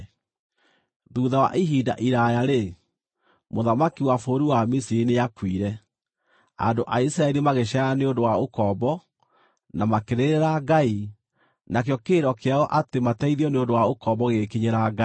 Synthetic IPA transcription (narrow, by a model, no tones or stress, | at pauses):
ðuːðawa̰ʔiɦida̰ʔiɾajaɾe | moðamakiwafoɾiwamisiɾinejakwiɾɛ | a̰ndoʔaisɾaɛɾimaɣeɕaaneondowaokɔbɔ | namakeɾeɾeɾaɡai | nakeɔkeɾɔkeaɣɔʔatematɛiðiɔneondowaokɔbɔɣekiɲeɾaɡa